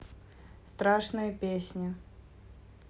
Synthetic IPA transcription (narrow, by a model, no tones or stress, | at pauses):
st̪ɾaʂnɨjəpʲesʲnʲɪ